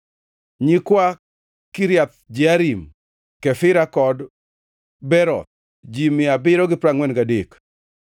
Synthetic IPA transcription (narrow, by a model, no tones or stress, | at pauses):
ɲikwa | kiɾjat̪̚d͡ʒɪaɾim | kɛfɪɾakɔd | bɛɾɔ̰t̪̚ | d͡ʒimɪabɪɾɔɡɪpɾaŋwɛnɡadek